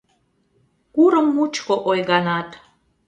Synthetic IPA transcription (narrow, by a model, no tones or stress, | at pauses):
kuɾə̆mːut͡ʃkoʔojɡanat̪